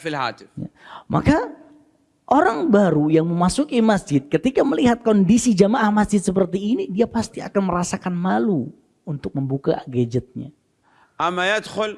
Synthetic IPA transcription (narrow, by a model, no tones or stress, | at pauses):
filha̰ːt̪ɪfja̰mʔa̰ka | ʔoɾaŋbaɾujaŋməmasukimasd͡ʒɪt̪̚kət̪ikaməliɦat̪̚kondisid͡ʒamaʔahmasd͡ʒɪt̪səp̬ərt̪iːnidiapast̪ia̰kanməɾasakanmalu | unt̪ʊk̚məmbuka̰ʔaɡed͡ʒət̪̚ɲa̰ | ʔamːajad̪xʊl